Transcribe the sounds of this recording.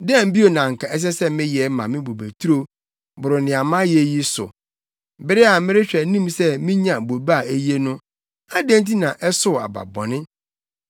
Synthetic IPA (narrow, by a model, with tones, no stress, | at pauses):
dɛ̃˦m̩˨˦bi˦o˨nã˨ŋ̩˨kʰa˨ɛ˦s̬ɛ˦sɛ˦mɪ̃˦jɛ˨˦mã˨mɪ̃˦bo˨bæ˨tʰu˦ɾo˦ | bʊ˨ɾʊ˨nɪ̃˨a˨mã˦jɛ˨ji˦sʊ̰˨ | bɪ˦ɾɪ˦a˨˦mɪ̃˦ɾɪ˦ɕᶣɛ˨nĩ˦msɛ˦mĩ˦ɲã˨bo˨ba˦˨e˦je˦nʊ̃˦ | a˦dẽ˦n˦ti˦nã˨ʔɛ˦sʊ˦˨a̰˨ba̰˨bɔ̰˨nɪ̃˦